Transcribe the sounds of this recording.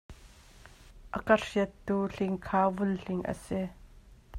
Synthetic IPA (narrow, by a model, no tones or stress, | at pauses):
ʔəkɐriət̪ːuːɬɪŋkʰaːvʊlɬɪŋʔə̰si